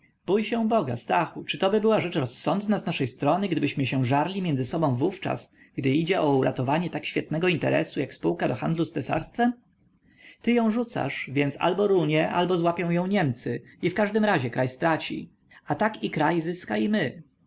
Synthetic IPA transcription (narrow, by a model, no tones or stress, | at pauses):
b̥ujɕɛ̃bɔɡa̰st̪axut͡ʂɘt̪ɔbɘbɘwaʐɛt͡ʂɾɔsːɔnd̪naznaʂɛjst̪ɾɔnɘɡd̪ɘbɘɕmɘɕɛ̃ʐaɾlʲimʲjɛnzɘsɔbɔ̃w̃vuft͡ʂa̰s | ɡd̪ɘid͡ʑɛʔɔuɾʔa̰t̪ɔvaɲɛt̪akɕfʲjɛt̪̚nɛɡɔint̪ɛ̰ɾɛ̰sujakspuwkad̪ɔxand̪lust̪ɛsa̰ɾst̪fɛm | t̪ɘjɔ̃w̃ʐut̪sa̰ʂvʲjɛnt̪sa̰lbɔɾuɲɛʔa̰lbɔzwapʲjɔ̃w̃jɔ̃w̃ɲɛmt̪sɘifkaʐd̪ɘmɾaʑɛkɾajst̪ɾat͡ɕḭ | at̪akikɾajzɘskaimɘ